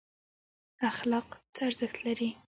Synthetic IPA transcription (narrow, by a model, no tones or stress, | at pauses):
axlɑqt͡səaɾzəxt̪laɾi